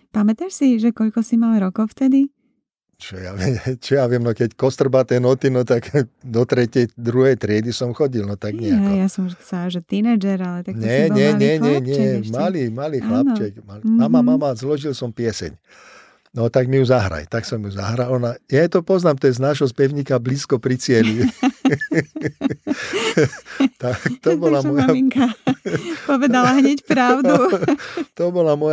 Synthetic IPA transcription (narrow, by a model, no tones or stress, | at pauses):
pamɛt̪aʃsiʒɛkɔʎkɔsimaːmɾɔkɔʊft̪ɛd̪i | t͡ʃɔja̰ʋɪɛt͡ʃɔjaʋɪɛmnɔkɛckɔst̪r̩bat̪ɛnɔt̪inɔt̪aɡd̪ɔt̪ɾɛcɪɛjd̪ɾuɦɛjt̪ɾɪɛd̪isɔmxɔɟilnɔt̪aɡɲɛaɦɛjasɔmsaːʒɛt̪inɛd͡ʒɛɾalɛt̪akɲɔɛɲɛɲɛɲɛɲɪɛmaliːmaliːxlanp̪t͡ʃɛkmammamamamazlɔʒilsɔmpɛsɛ̰ɲ | nɔt̪aɡmijuzaɦɾa̰jt̪aksɔmjuza̰ɦɾalɔnajaɛt̪ɔpɔznaːmt̪ɔjɛznaːʒɦɔspɛʊɲiːkabliːskɔpɾit͡sɪɛli | t̪akt̪ɔbɔlamɔjaiŋka | pɔʋɛd̪alaɦɲɛcpɾaʊd̪u | t̪ɔbɔlamɔj